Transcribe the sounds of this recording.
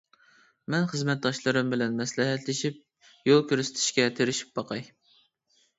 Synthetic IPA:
mɛnχəzmɛt̪̚d̪ɑʃlˠɨɾɨmbɪlɛnmɛslɪɦɛt̪lɪʃip̚ | jolˠkʲøɾsɪ̥t̪ʰɪ̥ʃkʲɛt̪ʰeɾɪʃi̥p̚bɑqʰɑj

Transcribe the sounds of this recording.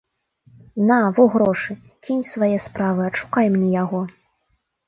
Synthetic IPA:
navɔɣɾɔʂɨ | t͡sʲinʲsvajɛspɾavɨɐʂu̥kajmnʲɛjaɣɔ

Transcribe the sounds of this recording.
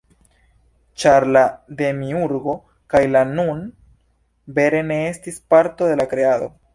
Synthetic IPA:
t͡ʃaɾlad̪e̞miuɾɡo̞ | kajlanun | be̞ɾe̞ne̞estispaɾto̞de̞lakɾe̞ado̞̰

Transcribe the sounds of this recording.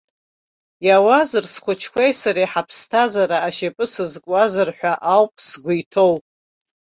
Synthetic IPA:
jawazɨrsχʷʰʊt͡ʃʰkʷʰejsaɾajħapʰstʰazaɾaːʃepʼɨsɨzkʷʼazɨrħʷᶣaʔawpʼsɡʷʊjtʰo̞wpʼ

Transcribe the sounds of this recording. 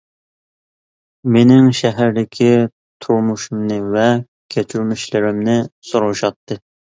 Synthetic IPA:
menɪŋʃɛɦæɾd̪ɪkʲʰi | t̪ʰuɾmuʃumnɨvɛ | kʲʰet͡ʃʰyɾmyʃlɪɾɪmnɪsoɾuʃɑt̪ʰːɨ

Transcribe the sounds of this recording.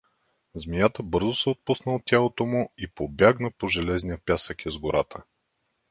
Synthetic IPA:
zmijat̪əbɤɾzʊsɛot̪̚pusnəot̪̚ːʲjalˠot̪omʊipobjaɡnəpoʒɛlɛznijəpʲjasəkʲɛzɡʊɾat̪ʰə

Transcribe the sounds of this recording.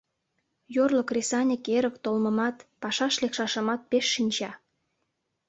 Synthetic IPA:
jorlokrʲesɑnʲəkeɾə̆kt̪olmə̆mɑt̪pɑʃɑʃlekʃɑʃəmɑt̪̚peʃːinʲt͡ɕɑ

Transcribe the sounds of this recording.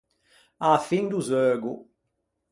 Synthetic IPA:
afĩŋd̪uzøɡṵ

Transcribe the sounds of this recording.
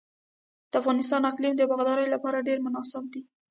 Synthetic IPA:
d̪̥əafɣɑnɪst̪ɑnaqlimd̪əbɑɣd̪ɑɾəjolapɑɾaɖeɾmʊnɑsɪb̚d̪i

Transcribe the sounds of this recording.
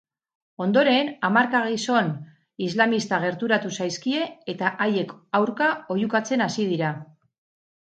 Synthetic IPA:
o̞nd̪o̞ɾe̞namaɾkaɣiso̞n | izlamist̪aɣ̞e̞ɾt̪uɾat̪usajskie̞ːt̪aʔaje̞kawɾkao̞jukat͡se̞nasið̞iɾa

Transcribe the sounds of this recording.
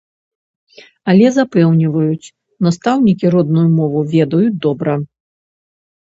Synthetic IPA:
ɐlʲɛzapɛwnʲivɐjut͡sʲ | nast̪awnʲikʲiɾɔd̪̚nujumɔvuvʲɛd̪ɐjud̪ɔbɾɐ

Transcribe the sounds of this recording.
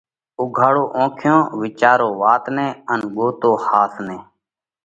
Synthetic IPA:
ʊɡʱaːɽoːʔõːkʰjõːʋɪt͡ʃaːɾoːʋaːt̪nẽːənɠoːt̪oːhaːsneː

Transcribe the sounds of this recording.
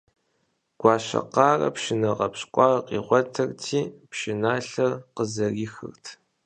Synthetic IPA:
ɡ̥ʷɑːɕɐ̰qɑːrɐ̰pʃɪnɐqɐpɕʼkʷʼɑːrqḭːʁʷɔtʰɐrtʰiːpʃɪnaːɬɐrqəzɐriːxɨ̰rtʰ

